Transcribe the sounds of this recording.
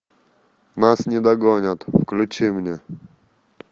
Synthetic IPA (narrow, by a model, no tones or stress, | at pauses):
nasɲɛd̪aɡɔɲat̪fklʲut͡ʃimɲɛ